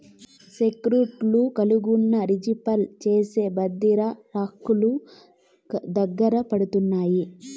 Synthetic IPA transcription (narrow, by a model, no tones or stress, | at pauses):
sekɾuʈlukɐluɡunːɐɾid͡ʒipɐlt͡ʃeːse̞ːbɐd̪ːiɾɐɾaːkːulu | d̪ɐɡːɐɾɐpɐɽut̪unːaːji